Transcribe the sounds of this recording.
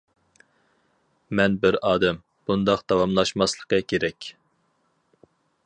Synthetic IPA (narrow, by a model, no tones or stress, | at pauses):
mɛnbɪɾɑːd̪ɛm | b̥und̪ɑqd̪̥ɑwɑmlˠɑʃmɑslˠəqɑkʲʰeɾɛkʲ